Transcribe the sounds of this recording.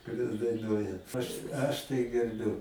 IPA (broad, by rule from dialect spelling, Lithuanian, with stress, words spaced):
kʊˈrʲɛs dɐɪˈnuɔjɛ ɐʃ ˈɐʃ tɐɪ ɡʲɛrʲˈbʲʊ